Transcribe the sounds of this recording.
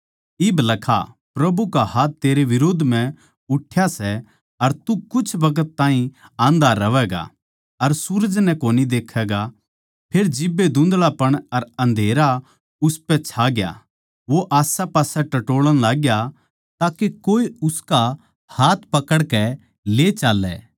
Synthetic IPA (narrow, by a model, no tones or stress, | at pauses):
ɪblɐkʰa̰ | pɾɐbukaɦaːt̪ːeːɾeʋɪɾoːd̪ʱmɛ̃ | ʊʈʰːjasɛ | ɐɾt̪ukʊt͡ʃʰʋɐkət̪ːãːɦĩãːnd̪aɾɐʋɛɡa̰ | ɐɾsuːɾəd͡ʒnɛkoːnid̪eːkʰːɛːɡa | pʰeːɾd͡ʒɪbːed̪ʊ̃nd̪ɭapɐɽ̃ɐɾɐ̃nd̪ʱeːɾa | ʊspɛt͡ʃʰaːɡja̰ | ʋoʔaːsapaːsɛʈɐʈoːɭəɽ̃laːɡja | t̪aːkekoːeʊska | haːt̪ʰpɐkəɽkɛ | let͡ʃaːlːɛ̰ː